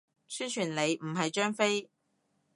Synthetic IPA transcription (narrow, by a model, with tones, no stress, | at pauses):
syː˥nt͡ʃʰyː˨˩nle˨˧jm̩˨˩ɦɐ˨jt͡ʃœː˥ŋfe˥j